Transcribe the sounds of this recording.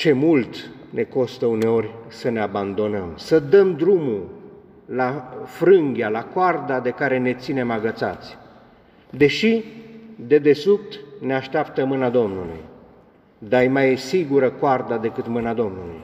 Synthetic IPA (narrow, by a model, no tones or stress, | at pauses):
t͡ʃe̞mult̪ | nʔe̞ko̞st̪əune̞o̞rʲsəne̞aband̪o̞nəmsəd̪əmd̪ɾumu | lafɾɨŋɡʲjalakoard̪ad̪e̞kaɾe̞ne̞t̪sine̞maɡət̪sa̰t̪sʲ | d̪e̞ʃi | d̪e̞d̪e̞sup̚t̪ne̞aʃt̪eapt̪əmɨnad̪o̞mnulṵj | d̪ajmajsiɡuɾəkoard̪ad̪e̞kɨt̪mɨnad̪o̞mnuluj